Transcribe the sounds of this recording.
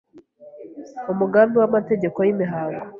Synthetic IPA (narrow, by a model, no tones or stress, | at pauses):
umuɡaːmbiwamate̞ɟe̞ko̞jimiɦaːŋɡo